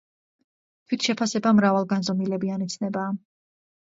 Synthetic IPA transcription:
t̪ʰwit̪ʰʃɛpʰasɛbamɾavalˠɡanzɔmilɛbianit̪sʰnɛbaː

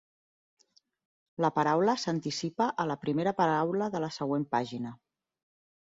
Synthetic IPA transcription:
ləpəɾawləsənt̪isipəʔələpɾimeɾəpəɾawləðələsəɣwempaʒinə

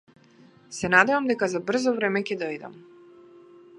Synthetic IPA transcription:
sɛnad̪ɛvamd̪ɛkazabr̩zɔvɾɛmɛcɛd̪ɔjd̪a̰m

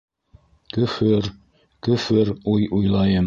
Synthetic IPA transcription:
kɵ̆fɵɾ | kɵ̆fɵɾujujlˠɑjɤm

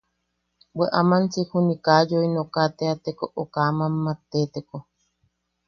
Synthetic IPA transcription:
bweʔamant͡sihunikajoinokat̪eat̪ekoʔokamamːat̪et̪eko

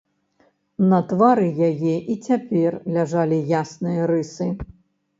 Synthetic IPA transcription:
nɐt̪vaɾɨjajɛʔit͡sʲapʲɛrlʲaʐalʲijasnɨjɐɾɨsɨ

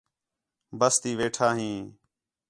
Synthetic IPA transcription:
bəst̪iːʋeːʈʰaːɦĩː

